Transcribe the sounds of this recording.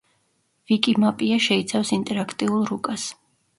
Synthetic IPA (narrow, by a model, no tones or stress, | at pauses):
vikʼimapʼiaʃɛit̪sʰafsint̪ʼɛɾakʰt̪ʼiulˠɾukʼas